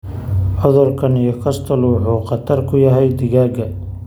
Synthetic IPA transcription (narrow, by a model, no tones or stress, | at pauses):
ʕɔðɔrkʰɐnijɔkʰɐst̪ʰɐluːħuːqɑt̪ʰɐrkʰʊjɐɦɛjd̪ɪɣaːɡɐ